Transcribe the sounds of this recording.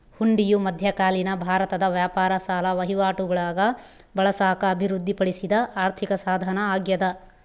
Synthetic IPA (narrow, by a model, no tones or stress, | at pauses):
huɳɖijumɐd̪ʱjɐkaːlinɐbʱaːɾɐt̪ɐd̪ɐʋjaːpaːɾɐsaːlɐʋɐɦiʋaːʈuɡɐɭaːɡɐ | bɐɭɐsaːkɐːbʱiɾud̪ʱːipɐɽisid̪ɐaːɾt̪ʰikɐsaːd̪ʱɐnɐaːɡjɐd̪ɐ